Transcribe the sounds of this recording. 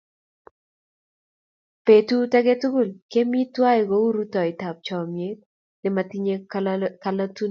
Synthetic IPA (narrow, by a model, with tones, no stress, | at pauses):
pe˨tu˦ta˦ɡe˦tu˦ɡʊ˦˨lke˦mi˦twa˦ɪ˨ɡo˦u˦ɾu˦tɔ˨ɪ˨ta˨p̚t͡ʃɔ˨mje˦t̚ | lɪ˨ma˨ti˦ɲe˦ka˨la˦tu˦n